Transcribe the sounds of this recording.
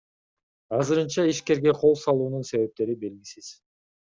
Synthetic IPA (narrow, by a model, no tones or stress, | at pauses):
ɑzɯɾɯnt͡ʃɑiʃke̞ɾɡe̞qʰo̞lˠsɑlˠuːnunse̞βe̞p̚t̪e̞ɾibe̞lɡʲisiz̥